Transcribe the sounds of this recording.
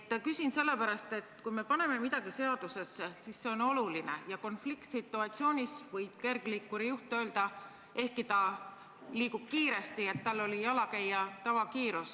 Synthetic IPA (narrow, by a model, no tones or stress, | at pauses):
ɑkysinse̞lːe̞pæɾɑst̪e̞t̪ːkujme̞pɑne̞me̞mid̪̥ɑɡ̥ise̞ɑd̪use̞sːesisse̞o̞no̞luline̞̰jɑko̞nflikt̪sit̪ːˑuɑt̪sio̞ːnʲisvɤjb̥̚ke̞rɡ̥liːkːˑuɾijuht̪øːld̪̥ɑ | e̞hkit̪ɑ | liːkub̥kiːɾe̞st̪ie̞t̪ːɑlːo̞lijɑlɑkæjːɑt̪ɑvɑkiːɾus